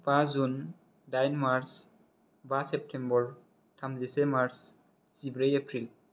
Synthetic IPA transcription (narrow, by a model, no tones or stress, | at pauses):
bazun | dajnmaɾs | basep̚ʈʰembɔɹ | tʰamzisemaɾs | sibɾejepʰɾil